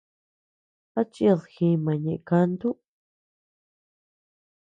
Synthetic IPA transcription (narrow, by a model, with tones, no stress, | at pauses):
a˦t͡ʃi˦a˧ðxĩ˧mã˨ɲẽ˧ʔka˧nd̪u˦